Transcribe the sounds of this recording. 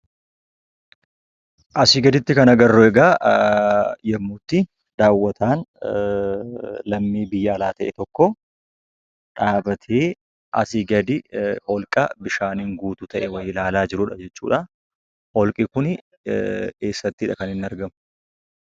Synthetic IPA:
ʔɐsɪɡɐd̪ɪt̪ːɪkɐnɐɡɐrːoɛɡaː | jɐmːuːt̪ːɪ | d̪̥aːwːɐt̪ʰaːn | lɐmːiːbɪjːɐːlaːt̪ɐʔɛt̪ɔkːɔ | ᶑaːbɐt̪ʰeː | ʔɐ̰sɪɡɐd̪ɪhɔlkʼɐbɪʃaːniŋɡuːt̪ʊt̪ɐʔɛwɐjɪlaːlaːd͡ʒɪɾʊᶑɐd͡ʒɛt͡ʃːṵːᶑɐ | hɔlkʼɪkʊn | keːsːɐt̪ːɪɪᶑɐkɐnɪnːɐɾɡɐmʊ̥

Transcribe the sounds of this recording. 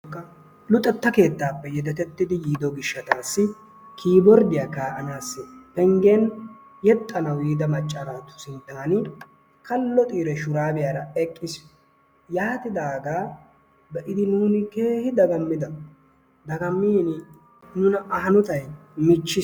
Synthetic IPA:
kːɐ | lʊt̪ʼːɛt̪ːɐke̞ːt̪ːaːpːɛjɛd̪ɛt̪ɛt̪ːɪd̪ɪjiːd̪ɔɡɪʃːɐt̪aːsːɪ | kʰiːbɔɾd̪ɪjaːkaːʔɐnaːsːɪpɛŋɡen | jɛt̪ʼːɐnɐwiːd̪ɐmɐt͡ʃʼːɐɾaːt̪ːʊ̥sɪnt̪ːaːnɪ | kɐlːɔt̪ʼiːɾɛʃʊɾaːbɪjaːɾɐɛkʼːɪs | jaːt̪ɪd̪aːɡaː | bɛʔɪd̪ɪnuːnɪke̞ːhɪd̪ɐɡɐmːɪd̪ɐ | d̪ɐɡɐmːiːnɪ | nʊnɐʔɐɦɐnɔt̪ɐjmɪt͡ʃːɪ

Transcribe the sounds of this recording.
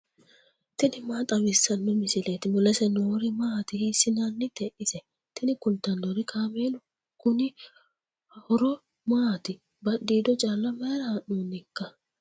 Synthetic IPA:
t̪ɪnɪmaːt̪ʼɐwɪsːɐnːɔmɪsɪleːt̪ɪmʊlɐsɛnoːɾɪmaːt̪ɪhiːsːɪnanːɪt̪ɛʔɪsɛ | t̪ɪnɪkʊnt̪ːɐnːoːɾɪkʰaːmeːlʊ | kʊnɪ | hɔɾɔ | maːt̪ɪ | bɐɗːiːd̪ɔt͡ʃʼaːlːɐmɐɾɐhɐnːoːnɪkːɐ

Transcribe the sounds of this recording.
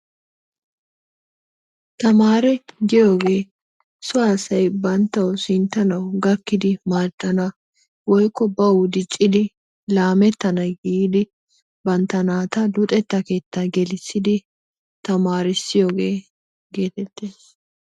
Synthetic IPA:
t̪ɐmaːɾɛɡɪjo̞ːɡe̞ː | sʊaːsɐjbɐnt̪ːɐwsɪnt̪ːɐnɐwɡɐkːɪd̪ɪmaːdːɐnɐ | wɔjkːɔbɐwʊd̪ɪt͡ʃʼːɪd̪ɪ | laːmɛt̪ːɐnɐjɡid̪ɪ | bɐnt̪ːɐnaːt̪ɐd̪ʊt̪ʼɛt̪ːɐke̞ːt̪ːɐɡɛlɪsːɪd̪ɪ | t̪ɐmaːɾɪsːɪjoːɡe̞ː | ɡe̞ːt̪ɛt̪ːeːs

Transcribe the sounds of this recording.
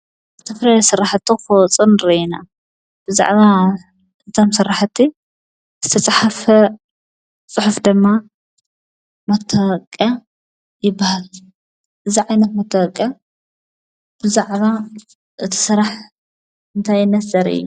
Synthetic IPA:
zɨt̪ʰɐfɾaɾɐsɨrːaħt̪ʰːifowt͡sʼɨnɾiina̰ | b̥ɨza̰ʕβa | ɨt̪ʰomsɨrːaħt̪ʰːi | zɨ̥t̪ʰɐt͡sʼaħafɐ | t͡sʼɨħufd̪ɨmːa | mɐt̪ʰːɐwɐkʼːɐ | jɪbːahal | ʔɨziʕajnɐt̪mɐt̪ʰːɐwɐkʼːɐ | b̥ɨzaʕβa | ʔɨt̪ʰi̥sɨɾaħ | ɨnt̪ʰajːɪnːɐzɐɾɨ̰jːu

